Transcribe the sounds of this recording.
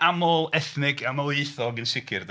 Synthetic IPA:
amoːlˠɛθnɪɡamaweɨθɔɡənsɪkʰɪrd

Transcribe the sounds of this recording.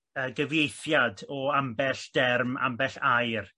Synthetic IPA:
əːɡəvjejθjadɔambɛɬd̥ɛrma̰mbɛɬajr

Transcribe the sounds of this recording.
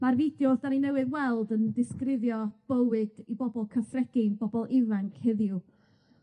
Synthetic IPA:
marvɪdjɔðdaninɛwɨðwɛlˠdəndɪskrɪðjɔb̥əwɨd̥ibɔbɔlˠkʰəθrɛɡ̥ɪnbɔbɔlˠɪvaŋkʰhɪðju

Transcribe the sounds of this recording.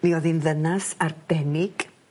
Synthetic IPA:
niɔðinðənasard̥ɛnɪɡ̥

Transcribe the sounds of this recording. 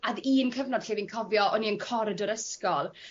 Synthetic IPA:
aðiːnkʰəvnɔd̥ɬiːvinkʰɔvjɔʔɔniənkʰɔɾədɔɾəskɔlˠ

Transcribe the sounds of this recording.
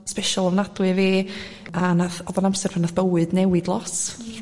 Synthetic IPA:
spɛʃɔlˠɔvnadwɨveː | anaθɔðɔnamsɛrpʰanaθb̥əwɨdnɛwɪdlˠɔs

